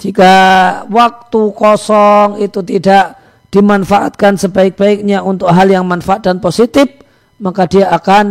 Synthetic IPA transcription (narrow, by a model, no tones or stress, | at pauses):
d͡ʒikawak̚t̪ukɔsɔŋit̪ut̪idaʔ | d̥imanfaʔat̪̚kansəbaɪk̚b̥aɪk̚ɲaunt̪ʊk̚ɦaljaŋmanfaat̪̚danposit̪ɪf | makadiaːkan